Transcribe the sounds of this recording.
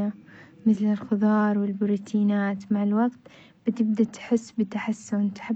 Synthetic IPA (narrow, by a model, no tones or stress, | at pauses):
amɪθlɪlxʊðˤɑːɾˤwɪlbɪɾuːt̪ʰiːnaːt̪maʕɪlwaɡt̪ | b̥ɪt̪ɪbd̪at̪ħɪsːbɪt̪aħasːʊnt̪ħa